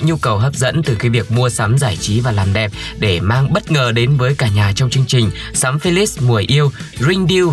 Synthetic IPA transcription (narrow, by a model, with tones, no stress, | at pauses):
ɲu˧kə˨˩wɦəː˦˥p̚zə̰˧˥nt̪ɨ˨˩xiː˨˦vi˨˩ək̚mu˧əsa˨˦mzaː˧˩jt͡ɕi˨˦vaː˨˩laː˨˩mɗɛ˨˩p̚ | ɗe˧˩maː˧ŋɓə˦˥t̚ŋəː˨˩ɗe˨˦nvəː˨˦jkaː˧˩ɲaː˨˩t͡ɕɔ˧wŋ͡mt͡ɕɨ˧əŋt͡ɕï˨˩ŋ̟ | saː˨˦mfi˧li˦˥s̚mu˨˩əjʔi˧əw | zi˧ŋ̟ɗi˧